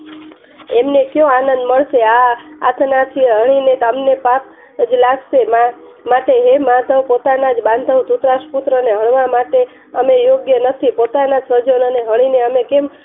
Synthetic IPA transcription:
emnekjõanə̃nd̪məɭʃea̰ːt̪ʰnat͡ʃ̪ʰieɦəɽ̃inet̪əmnepak | d͡ʒlaɡʃemamaʈeɦemãt̪əwpot̪anad͡ʒbãnd̪ʱəwt̪ut̪ɾaʃput̪ɾəneɦəɳ̃ʋamaʈe | əmejoɡjənət̪ʰipot̪anad͡ʒsəd͡ʒənoneɦəɽ̃ineəmekem

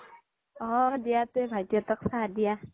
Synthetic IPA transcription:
ɔdijat̪ebʱajtjɔt̪ɔk̚sãdija

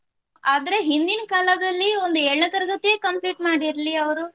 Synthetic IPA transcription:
aːd̪ɐɾe̞ɦind̪inɐkaːlɐd̪ɐlːio̞nd̪ueːɭɳɐt̪ɐɾɡɐt̪ijeːkɐmpliːʈmaːɽiɾliɐʋɐɾu

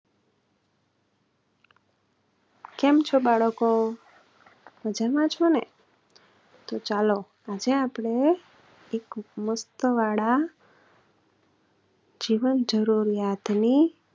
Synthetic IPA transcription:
kɛmt͡ʃʰobaɭəko | məd͡ʒaɾʋãt͡ʃʰone | t̪ot͡ʃalo | ad͡ʒeapɽ̃e | ekməst̪əʋaɽa | d͡ʒiʋənd͡ʒəɾuɾjat̪ni

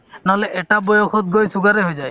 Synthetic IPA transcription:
naɦɔleʔɛʈabɔjɔkʰɔt̪̚ɡojsuɡaɾeɦojzaj

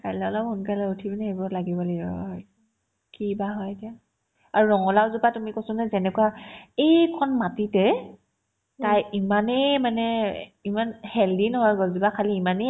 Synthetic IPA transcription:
kaɹlɛɔlɔphunkalɛutʰibinɛebɔlaɡibɔliaɔj | kibaɦɔjetija | aɹuɹɔŋɔlawzupatumikosʊnazɛnɛkwaejkʰɔnmatitɛ | tajimanɛmanɛimanhɛldinɦɔjɡɔzibakʰaliːmane

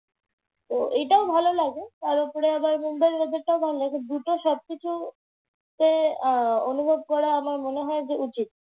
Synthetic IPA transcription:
t̪oʔejʈaobʱalolaɡet̪aɾopoɾeabaɾmumbaeɾmed̪eʈ̚ʈaobʱalolaɡed̪uʈoʃɔb̚kit͡ɕʰu | ke | onubʱob̚kɔɾaamaɾmoneɦɔed͡ʑeʔut͡ɕit̪̚

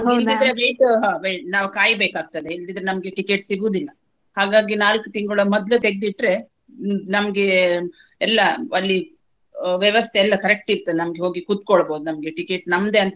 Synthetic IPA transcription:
ɦild̪id̪ɾeʋejʈɦaːʋejnaːʋkaːjbeːkaːɡ̚t̪ɐd̪eild̪id̪ɾenɐmɐɡe̞ʈike̞ːʈsiɡuːd̪ilːɐ | haːɡaːɡinaːlkut̪iŋɡɐɭɐmɔd̪lut̪e̞ɡed̪iʈɾe̞ | nɐmɐɡe̞ | ɛlːɐɐlːi | ʋjɛʋɐst̪ʰeɛlːɐkɐɾek̚ʈiɾt̪ːɐd̪enɐmɐɡeɦo̞ːɡikut̪̚koɭboːd̪unɐmɐɡe̞ʈikeːʈnɐmːd̪e̞ɐnt̪ɐ

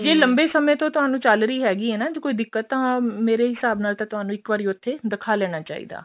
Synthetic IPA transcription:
d͡ʒeːləmbeːsəmẽːt̪õːt̪ʊɦaːnũːt͡ʃəlɾəiːɦɛːɡiːɦɛːnaːd͡ʒoːkoːiːd̪ɪkːət̪ːãːmeːɾeːɦɪsaːbnaːlt̪ãːt̪ʊɦaːnũːɪkʋaːɾiːʊt̪ʰːeːd̪ɪkʰaːlɛːɽ̃aːt͡ʃa̰ːḭːd̪a̰ː

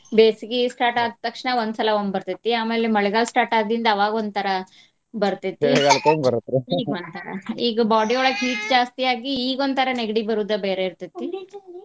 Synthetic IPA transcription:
beːsikisʈaːʈaːd̪̚t̪ɐkʂɳɐond̪sɐlɐonbɐɾt̪it̪ːiaːme̞ːlemɐɭɛɡaːɭsʈaːɾʈaːd̪ind̪ɐːʋaːɡond̪̚t̪ʰɐɾɐ | bɐɾt̪it̪ːeɡaːlkoːmbɐɾut̪ːɾɛiːɡond̪t̪ʰɐɾɐ̰iːɡɐbaːɖioːɭɐɡɦiːtd͡ʒaːst̪ijaːɡiːɡond̪t̪ʰɐɾɐneɡɖibɐɾud̪ɐbeːɾeiɾt̪it̪ːi

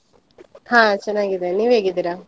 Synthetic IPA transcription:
hãːt͡ʃɐnːaːɡid̪eniːʋeːɡid̪iːɾa

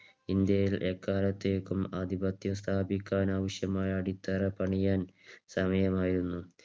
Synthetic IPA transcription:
ind̪jɐjilʔekːaːlɐt̪ːejkːumɐ̰d̪ʱibɐt̪jɐst̪ʰaːbikʲːaːnaːʋɐʂjɐmaːjɐːɽit̪ːɐrɐpɐɳijaːnsɐmɐjɐmaːjiɾunːu

